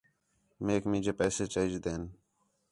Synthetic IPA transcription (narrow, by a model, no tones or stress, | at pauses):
meːkmĩːd͡ʒeːpɛːseːt͡ʃẽːd͡ʒd̪eːn